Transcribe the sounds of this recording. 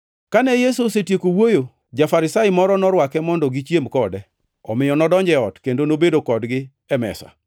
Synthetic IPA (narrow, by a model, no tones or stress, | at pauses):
kanɛjesusetjekowojo | d͡ʒafaɾɪsaɪmɔɾɔnɔɾwakɛmɔndɔɡɪt͡ʃjemkɔdɛ | ɔ̰mɪjɔnɔdɔɲd͡ʒɛɔtkendonobedokɔdɡɪ | ɛmɛ̰sa̰